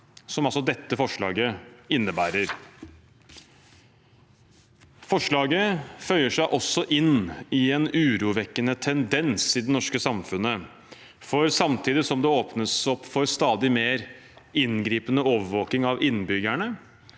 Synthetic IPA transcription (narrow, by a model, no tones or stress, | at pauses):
sɔmɑlsɔd̪ɛt̪ːəfɔʂɭɑ̰ːɡəɪnːəbæːɾəɾ | fɔʂɭɑːɡəfœʏəʂæɪʔɔsːɔʔɪnːɪɛnʉːɾuːʋɛkːənət̪ʰɛnd̪ɛnsɪd̪ɛnɔʂkəsɑmfʉnə | fɔɾsɑmt̪ʰiːd̪ɪsɔmd̪ɛoːpnəsɔpːfɔɾst̪ɑːd̪ɪmeːɾ | ɪnɡɾiːpənəoːʋəɾʋoːk̪ɪŋɑʋɪnbʏɡæɳə